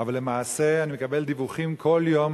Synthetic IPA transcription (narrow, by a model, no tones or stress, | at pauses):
avalːe̞maːse̞animekabe̞ld̪ivuχimkʰo̞ljo̞m